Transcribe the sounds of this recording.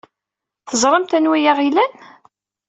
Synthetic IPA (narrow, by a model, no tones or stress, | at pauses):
θəzˤɾˤəmt̪ænwijaʁilæn